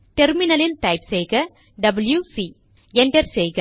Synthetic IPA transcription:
ʈɛɾmɪnɐlɪnʈɐɪpsɛjɣɐ | ɖɐbɐljusi | ɛɳɖɐɾsɛjɣɐ

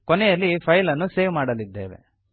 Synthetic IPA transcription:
kɔnɛjɐlːipʰɐjlɐnːuseːʋmaːɽɐlid̪ːeːʋḛ

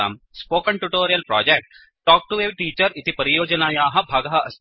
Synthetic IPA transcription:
a̰ːmspoːkɐɳʈuʈoːɾijɐlpɾɔ̰ːd͡ʒek̚ʈ | ʈɔːk̚ʈueːʋʈiːt͡ʃəɾit̪ipɐɾijoːd͡ʒənaːjaːɦɐ̃bʱaːɡɐɦɐɐs

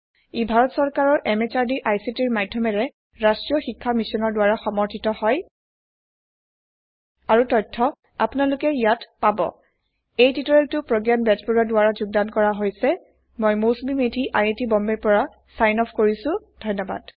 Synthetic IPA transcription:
ibʱaɹɔtsɔɹkaɹɔɹʔɛmet͡ʃaɹdiʔajsitiɹmadʱjɔmɛɹɛ | ɹastɹijɔxikʰːamisɔnɔɹdʊwaɹaxɔmɔɹtʰitɔhɔj | aɹutɔjtʰːɔ | a̰pʊnalʊkɛijatpabɔ̰ | ejtitɔɹɛltʊpɹoɡjanbɛd͡ʒpuɹadʊwaɹazuɡ̚dankɔɹaɦojsɛ | mojmosmimetiʔa̰jetibɔmbɛɹpɔɹa | sajnɔpʰkoɹisʊ̃ | d̥ʱɔjnːɔba̰d̥

